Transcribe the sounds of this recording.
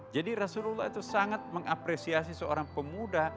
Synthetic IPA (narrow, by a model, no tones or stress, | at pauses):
d͡ʒadiɾasululːait̪usaŋat̪̚məŋapɾesias̬isəo̰ɾaŋpəmuda